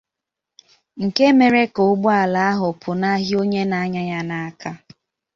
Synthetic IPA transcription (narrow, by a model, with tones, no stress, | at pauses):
ŋ̩˨ke˦me˨ɾe˦ko˨˦ɡ͡bu˦a˨la˨a˦ɦʊ˨pʰʊ˨na˦ɦi˦o˦ɲe˦na˨˦ɲa˦ɲa˦na˦a˦ka˦